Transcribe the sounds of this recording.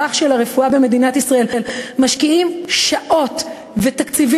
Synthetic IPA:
aχʃe̞laʁe̞fuabeme̞dinatisʁae̞lelmaʃkiimʃaʔo̞t | ve̞takt͡sivi

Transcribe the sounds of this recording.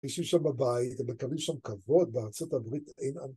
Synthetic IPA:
iʃimʃambabajit̪emekalimʃamkavo̞d̪̚beaʁt͡so̞tabʁit̪ejna̰n

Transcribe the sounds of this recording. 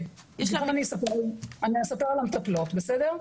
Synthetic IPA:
jɛʃaamanisapeʁaniasapeʁalamt̪aplotbesedeʁ

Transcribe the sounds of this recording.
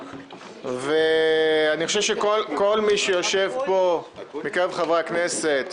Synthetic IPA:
veaniχoʃevʃekolkolmiʃejoʃevpomikaʁevχavʁakneset̪

